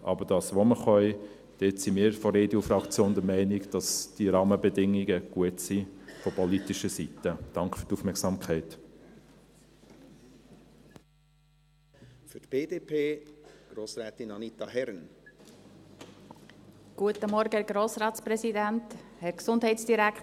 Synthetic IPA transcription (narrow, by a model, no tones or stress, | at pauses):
ʔɑ̰bəd̥ɑːsʋoməχœɪ | d̥etsimɪːɾfɔɾedjofɾɑkt͡sjoːnd̪əmɛɪnɪɡd̥ɑsd̥iɾɑːməbɛdɪŋːiɡəɡ̥uətsifɔpʰɔlitiʃəsitəd̥ɑŋkχfyɾtufmɛksɑːmkʰɛɪt | fytb̥eːdeːpʰeːɡ̥ɾoːsɾɛːt̪inɑnit̪ɑhɛɾn | ɡ̥uətəmɔɾɡəɛɡɾoːsɾɑːtspɾɛsidænthɛɾksʊnd̥ɦɛɪtsd̥iɾæk